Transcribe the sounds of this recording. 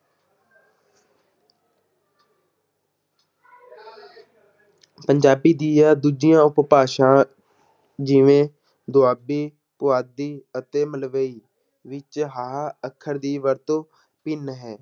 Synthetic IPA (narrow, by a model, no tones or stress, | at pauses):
pəɲd͡ʒaːbiːd̪iːaːd̪uːd͡ʒɪjãːʊppaːʃãː | d͡ʒiːʋẽː | d̪ʊaːbiː | pʊaːd̪iːət̪eːməlʋəiː | ʋɪt͡ʃɦaːəkʰəɾd̪iːʋəɾt̪oː | pɪnɦɛː